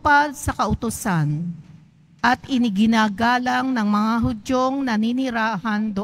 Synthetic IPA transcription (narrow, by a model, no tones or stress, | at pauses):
pad̪̚sɐkɐʔʊt̪ʊsan | ʔɐt̪ɪnɪɡɪnaːɡaːlɐŋnɐŋmɐŋaɦʊd͡ʒoŋnɐninɪɾaːhɐnd̪o